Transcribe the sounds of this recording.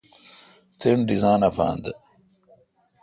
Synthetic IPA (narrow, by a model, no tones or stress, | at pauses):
t̪ʰenɖizaːnɐpʰa̰ːnd̪